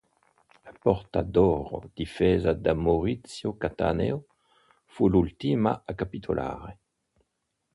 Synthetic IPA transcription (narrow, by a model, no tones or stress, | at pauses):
lapɔʁt̪ad̪ɔʁo̰d̪̥ifɛzad̪amoʁit͡sjokat̪a̰nḛo | fulult̪imaakapit̪ʰolʔa̰ːʁe